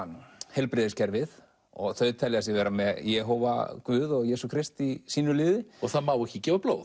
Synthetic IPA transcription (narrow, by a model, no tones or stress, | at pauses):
nhɛlpɾɪːðɪscɛɾvɪð | ɔɣθœɥðt̪ʰɛlɛɣas̬ɪvɛːɾamɛjɛːɦowva̰kvʏːðɔɣjɛːsukʰɾɪst̪isiːnʏlɪːðɪɔɣθaðmaːwɛhcːɪcɛːvaplo̰ːwð